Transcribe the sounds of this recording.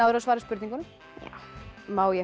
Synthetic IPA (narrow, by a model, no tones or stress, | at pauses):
aðɾasvaːɾɪspʏɾt̪iŋkʏnʏm | ja̰mawjɛ